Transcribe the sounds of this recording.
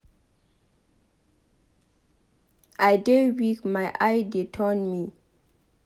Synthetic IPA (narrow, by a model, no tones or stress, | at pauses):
ajdewikmajʔajdetʰɔnmi